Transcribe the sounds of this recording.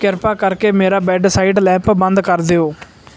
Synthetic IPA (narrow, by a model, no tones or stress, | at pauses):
kɪɾpaːkəɾkeːmeːɾaːbɛːɖsaːiːɖlɛ̃ːmpbə̃nd̪kəɾd̪eːoː